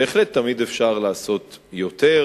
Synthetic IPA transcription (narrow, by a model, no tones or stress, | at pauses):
eːχlet̪ːamid̪efʃaʁlaːso̞t̪jo̞t̪e